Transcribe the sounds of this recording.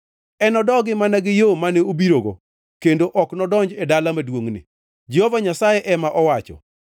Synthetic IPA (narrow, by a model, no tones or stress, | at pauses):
ɛnɔdɔɡɪmanaɡɪjomanɛobiɾoɡo̰ | kendoʔɔknɔdɔɲd͡ʒɛdalamadwoŋnɪ̰ | d͡ʒiovaɲasajɛʔɛmaʔɔwat͡ʃɔ̰